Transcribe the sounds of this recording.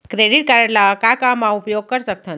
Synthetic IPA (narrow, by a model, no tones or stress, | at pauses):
kɾeɖiʈ̚kaɾəlakakamãupjoɡ̚kəɾsək̚t̪ʰa